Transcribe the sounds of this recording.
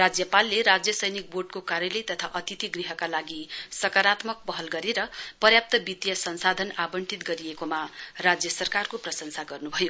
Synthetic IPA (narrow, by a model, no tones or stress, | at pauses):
rad͡zjʌpalːeɾad͡zjʌsʌjnik̚boɖ̚kokaɾjʌlʌjt̪ʌt̪ʰaʔʌt̪it̪iɡriɦʌkalaɡisʌkaɾat̪mʌk̚pʌɦʌlɡʌɾeɾʌpʌrjap̚t̪ʌbit̪jʌsʌnsad̪ʱʌnabʌɳʈit̪̚ɡʌɾijekomarad͡zjʌsʌrkarkoprʌsʌnsaɡʌrnubʱʌjo